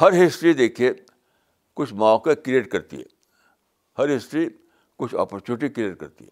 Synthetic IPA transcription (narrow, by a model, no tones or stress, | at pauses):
hɐɾɦɪsʈɾid̪eːkʰie | kʊt͡ʃʰmɔ̃ːkekɾieːʈ̚kɐɾt̪ḭɦɛ̰ː | hɐɾɦɪsʈɾi | kʊt͡ʃʰɔ̰ːpəɾt͡ʃunɪʈikɾieːʈ̚kɐɾt̪ḭɦɛ